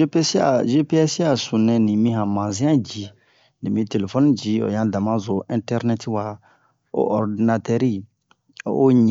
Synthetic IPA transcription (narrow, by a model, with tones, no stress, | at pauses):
e˦pe˦sa̰˨ʒe˦pe˦ɛ˦si˦a˨sũ˨nɛ̃˨nĩ˨mĩ˦hã˨mã˨zĩ˦ã˦d͡ʒi˨ | ni˨mĩ˦te˨le˨fɔ˦nĩ˦d͡ʒi˨˦o̰˨jã˨dã˨mã˦zo˨ʔĩ˦ntɛ˦ɾnɛ˦ti˦wa˨ | o̰˦ʔɔ˨ɾdi˨na˨tɛ˦ɾi˦˨ | o˦ɲ